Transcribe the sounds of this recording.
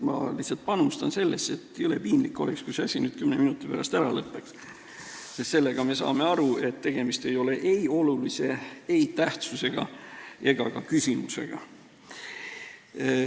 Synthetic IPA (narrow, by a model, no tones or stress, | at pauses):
mɑ̰liht̪sɑlt̪̚ˑpɑnust̪ɑnse̞lːese̞t̪ːˑyle̞piːmlikːˑo̞̰lekskuseɑsʲinyːd̪̥kymneminut̪ːˑipæɾɑst̪æɾɑlɤpːˑeks | sest̪se̞lːeɡ̥ɑme̞sɑ̰ːme̞ɑɾue̞t̪ːe̞ɡ̥e̞mist̪e̞jo̞le̞ʔeio̞lulise̞ejt̪æht̪suse̞ɡ̥ɑ̰e̞ɡ̥ɑkɑkysʲimuse̞̰ɡ̥ɑ̰